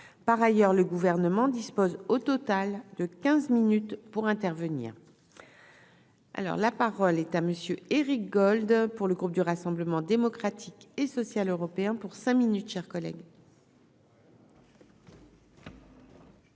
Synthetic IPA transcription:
paʁajœʁləɡuvɛʁnəmɑ̃d̪ispozot̪ɔt̪ald̪əkʲɛ̃zminyt̪puʁɛ̃t̪ɛʁvənḭːʁ | ʔa̰lɔ̰ʁlapaʁɔlɛt̪aməsjøeʁik̚ɡɔld̪puʁləɡʁup̚d̪yʁasɑ̃bləmɑ̃d̪emɔkχat̪ʰikesɔsjaløʁɔpeɛ̃puʁsɛ̃minyt̪ʃɛʁkɔlɛ̰ɡ

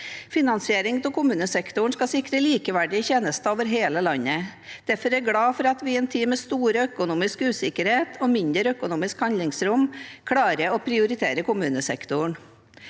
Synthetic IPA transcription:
fɪnɑnsɪeːɾɪŋt̪ʰɔkʊmʉːnəsɛkt̪ʊɳskɑsɪkɾəliːkəʋæɖɪçeːnəst̪oːʋəɾɦeːləlɑɲːəd̪̥æɾfɔɾɛɾɡɽɑːfɔɾɑt̪ʋɪɛːnt̪ʰiːmɛst̪uːɾəœkʊnuːmɪskʉːsɪkəɾheːt̪ʰɔːmɪnd̪əɾœkʊnuːmɪskhɑnlɪŋsɾʊmkʰɽɑːɾəopʰɾɪʊɾɪt̪ʰeːɾəkʊmʉːnəsɛkt̪ʊɳ

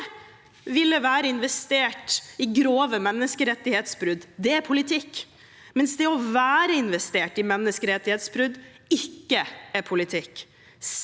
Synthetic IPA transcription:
ʋɪlːəʋæːɾəɪnʋɛst̪eːʈɪɡɾoːʋəmɛnːəskəɾɛt̪ːɪheːt̪sbɾʉd̪d̪ɛæɾpʰʊlɪt̪ʰɪkː | mɛnsd̪ɛɔʋæːɾəɪnʋɛst̪eːʈɪmɛnːəskəɾɛt̪ːɪheːt̪sbɾʉd̪ | ɪkːəæɾpʰʊlɪt̪ʰɪkː

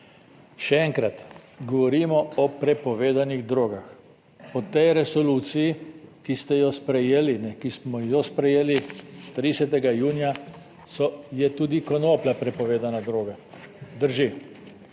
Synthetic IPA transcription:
ʃɛɛŋkɾat̪ɡɔʋɔɾiːmɔɔpɾɛpɔʋeːd̪aniɣd̪ɾoːɡax | pɔt̪ɛjɾɛsɔluːt̪sijikist̪ɛjɔspɾɛjeːlinɛkismɔjɔspɾɛjeːlit̪ɾisɛt̪ɛɡajuːnja | sɔjɛt̪uːd̪ikɔnoːplapɾɛpɔʋeːd̪anad̪ɾoːɡad̪əɾʒi

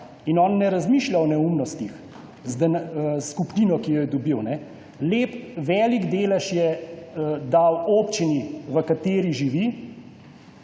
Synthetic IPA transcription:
inɔːnːɛɾazmiːʃlʲawɔnɛumnɔst̪ix | zd̪ɛnskupniːnɔkijɔjɛd̪ɔbiwnɛ | leːpʋɛːliɡd̪eːlɛʃjɛ | d̪awoːpt͡ʃiniʋəkat̪eːɾiʒiʋi

